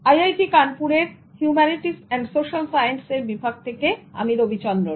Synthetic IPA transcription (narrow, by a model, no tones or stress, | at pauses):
ajajʈikanpuɾeɾ | hjumɛniʈisɛɳɖsoʃalsajenseɾbibʱaɡ̚t̪ʰekea̰miɾobʱit͡ɕɔnd̪ɾo